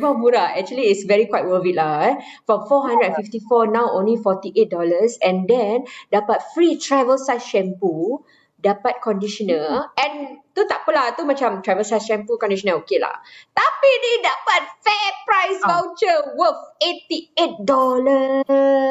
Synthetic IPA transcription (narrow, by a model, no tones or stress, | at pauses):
babuɾaɛk̚t͡ʃuəliːtsvɛɹikwajt̚wəvit̚laɛ | fɔ̃fɔɦãndɹədɛnfift̪ifɔnãwõnlifɔt̪iʔet̚dɔləsɛ̃ndɛ̃ndapat̚fɹitɹavəlsajsʃɛ̃mpu | dapat̚kɔ̃ndiʃɔnəɛ̃nt̪ut̪aʔpəlat̪umat͡ʃãmt̪ɹajvəlsajsʃɛ̃mpukɔ̃ndiʃɔnəokela̰t̪apinidapat̪̚fɛpɹajskalt͡ʃəwəfet̪iet̚dɔlə